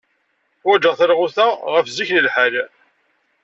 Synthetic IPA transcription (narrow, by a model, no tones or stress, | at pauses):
wæd͡ʒəʁθəɾʁuθæʁəfziçnəlħæl